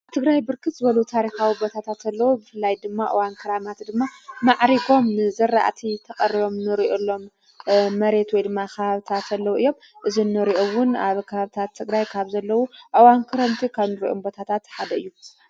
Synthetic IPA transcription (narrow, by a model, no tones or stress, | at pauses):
ʔaβt̪ʰɨɡɾajbɨɾkʰɨt̪zɨβɐlut̪ʰaɾixawibot̪ʰat̪ʰat̪ɐlːɐwubɨfɨlːajd̪ɨmːaʔɨ̰wankʰɨɾamat̪d̪ɨmːamaʕɾiɡo̞mnɨzɐɾːa̰ʔt̪ʰit̪ʰɐkʼɐriβo̞mnɨɾiʔolːo̞mː | ɐɾe̞t̪wɔjd̪ɨmːakaβaβt̪ʰat̪ɐlːɐwuɨjːo̞m | ʔɨzinːɨɾiʔowʊnaβkʰɐβaβt̪ʰat̪ʰːɨɡɾajkʰaβzɐlːɐwuʔɨwankʰɨɾɐmt̪ʰikʰaβnɨɾiʔombo̞t̪ʰat̪ʰat̪ħad̪ɐɨjːu